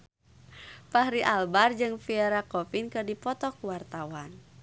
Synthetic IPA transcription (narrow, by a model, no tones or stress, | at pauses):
pahɾiʔalbard͡ʒɨŋfiɛɾakɔfinkɨrdipɔt̪ɔkuwart̪awan